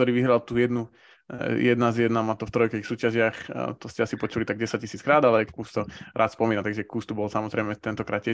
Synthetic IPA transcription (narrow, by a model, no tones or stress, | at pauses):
t̪ɔɾiːʋiɦɾalt̪ujɛd̪nu | jɛd̪nazjɛd̪namat̪ɔft̪ɾɔjkɛisuːcaʒɪaxt̪ɔscɛasipɔt͡ʃulit̪aɡ̚ɟɛsac̚cisiːt͡skɾaːd̪alɛkuːst̪ɔɾaːt̪spɔmiːnat̪aɡʒɛkuːst̪ubɔlsamɔzɾɛɪmɛt̪ɛnt̪ɔkɾaːt̪t͡ɕɛ